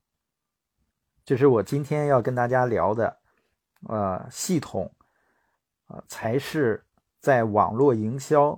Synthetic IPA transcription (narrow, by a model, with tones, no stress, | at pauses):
t͡ɕjo˥˧ʊʂ̬ɻ̩˥˩wɔ˨˩t͡ɕi˥nt̪ʰjɛ˥njɑ˥˩ʊkə˥nt̪a˥˩t͡ɕja˥ljɑ˧˥ʊd̪ə˧ | ə̰˧ɕi˥˩t̪ʰʊ̰˨˩˦ŋ˧ | t͡sʰa˧˥ɪʂɻ̩˥˧ | t͡sa˥˩ɪwɑ̰˨˩ŋlwɔ˥˩i˧˥ŋɕjɑ˥ʊ